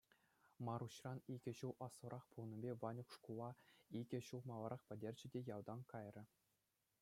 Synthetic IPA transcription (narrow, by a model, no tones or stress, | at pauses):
mɑɾuɕrɑniɡʲɘ̆ɕuwɑsʋɤ̆ɾʔɑχpulˠnʲɤ̆bʲeʋɑnʲukʂkulˠɑiɡʲɘ̆ɕuwˠmɑlˠɑɾʔɑχpʲɘ̆dʲerʲd͡ʑɘ̆dʲejɑwd̪ɑnkɑjrʲɘ̆